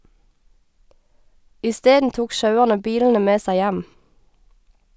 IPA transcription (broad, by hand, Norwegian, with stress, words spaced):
ɪˈsteːdn̩ ˈtuːk ˈʃɑʉæʁnə ˈbiːln̩ə ˈmeː ˈsæɪ ˈjæm